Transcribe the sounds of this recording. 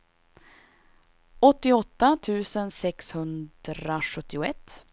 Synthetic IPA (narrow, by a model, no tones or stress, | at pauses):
ɔt̪ːɪɔt̪ːat̪ʰʉ̟ːsənsɛkshɵnd̪ɾaɧɵt̪ːɪʊɛt̪ː